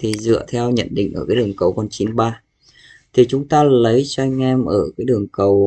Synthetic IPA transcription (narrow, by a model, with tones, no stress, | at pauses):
t̪ʰi˨˩zɨ̰˧˨ət̪ʰɛ˧wɲə̰˧˨nɗḭ̈˧˨ŋ̟ʔəː˧˩kaː˨˦ɗɨ˨˩əŋkə˨˩wkɔ˧nt͡ɕi˨˦nɓaː˧ | t̪ʰi˨˩t͡ɕʊ˨˦ŋ͡mt̪aː˧lə˨˦jt͡ɕɔ˧ʔa˧jŋ̟ʔɛ˧mʔəː˧˩kaː˨˦jɗɨ˨˩əŋkə˨˩w